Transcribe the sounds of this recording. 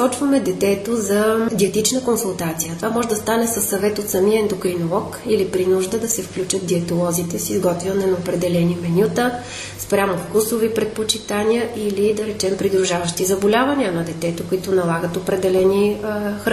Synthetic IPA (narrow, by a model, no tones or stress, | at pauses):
ɔt͡ʃvɐmɛd̪ɛt̪ɛt̪ozɐd̪ʲiɛt̪it͡ʃnəkonsʊlˠt̪at̪sijət̪ovamɔʒɛd̪ɐst̪anɛsɐsːɐvɛt̪ot̪sɐmiəɛnd̪okɾinolˠɔkilipɾinuʒd̪əd̪ɐsɛfklʲut͡ʃət̪̚d̪iɛt̪olˠɔzit̪ɛsizɡɔt̪vinɛnɐopɾɛd̪ɛlɛnimɛnʲut̪ə | spɾʲamʊfkusovipɾɛt̪̚pot͡ʃit̪aniəʔilid̪ɐɾɛt͡ʃɛmpɾid̪ɾuʒavəʃt̪izəbolʲavɐniənɐd̪ɛt̪ɛt̪ʊkʊit̪ʊnɐlˠaɡət̪opɾɛd̪ɛlɛnixɾ